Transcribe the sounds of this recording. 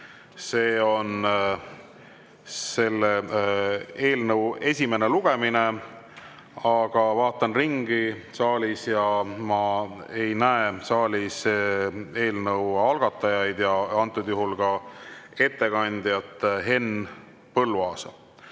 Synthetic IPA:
se̞ːo̞n | se̞lːe | e̞ːlnɤwe̞sʲime̞ne̞luɡ̥e̞mine̞ | ɑɡ̥ɑvɑːt̪ːˑɑnriŋɡisɑːlʲisjɑmɑe̞jnæesɑːlʲis | e̞ːlnɤwɑlɡ̥ɑt̪ːˑɑjɑjd̪jɑɑnt̪ːˑud̪̥juɦulɡ̥ɑe̞t̪ːe̞ɡɑnʲd̪̥jɑt̪ˑːɦe̞n | pɤlːuɑːsɑ

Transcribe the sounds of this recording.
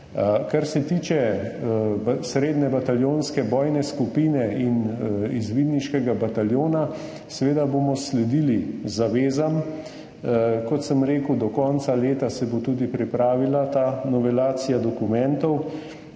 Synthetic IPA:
kaɾsɛt̪iːt͡ʃɛ | sɾeːd̪nɛbat̪aljoːnskɛbɔːjnɛskupiːnɛinizʋiːd̪niʃkɛɡabat̪aljoːna | sɛʋeːd̪aboːmɔslɛd̪ilizaʋeːzam | kɔt̪səmɾeːkud̪ɔkɔnt̪saleːt̪asɛbot̪uːd̪ipɾipɾaːʋilat̪aːnɔʋɛlaːt̪sijad̪ɔkumɛnt̪ɔw

